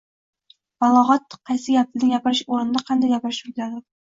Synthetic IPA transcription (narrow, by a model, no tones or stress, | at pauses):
b̥ɒlˠɒʁɒt̪ːɨ̥qʰːɑjsɪɡʲap̚ɪnɪŋjʲapɪɾɪʃoɾɪnɪd̪aqʰɑnd̪ajɡʲapɪɾɪʃʊjʲlad̪ɪd̪ɪ